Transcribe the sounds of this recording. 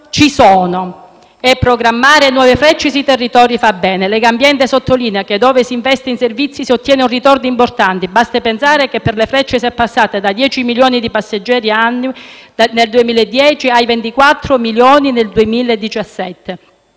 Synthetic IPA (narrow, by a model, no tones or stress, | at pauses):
t͡ʃisɔːno | ɛpːɾoɡɾamːaːɾenwɔːvefɾɛt͡ʃːes̬it̪erːit̪ɔːɾifabːɛːnelɛɡambjɛnt̪esot̪ʰːoliːneaked̪ːɔːvesiːɱvɛst̪einservit̪sːisiot̪ːjɛːneunrit̪ɔrd̪import̪ant̪ibast̪apensaːɾekepːerlefɾɛt͡ʃːesɛpːasːaːt̪ed̪ad̪jɛːt͡ʃimiljoːnid̪ipasːed͡ʒːɛːɾiaanːineld̪uemiːleed̪ːjɛːt͡ʃiajvent̪ikwat̪ːɾomiljɔːnineld̪uemiːled̪ːit͡ʃasːɛt̪ːe